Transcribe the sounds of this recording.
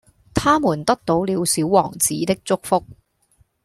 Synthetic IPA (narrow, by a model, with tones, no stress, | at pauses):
t̪ʰaː˥muː˨˩nt̪ɐ˥k̚t̪o˨˧˥wliː˨˧wsiː˨˥wwɔː˨˩ŋt͡siː˨˥t̪ɪ˥k̚t͡sʊ˥k̚fʊ˥k̚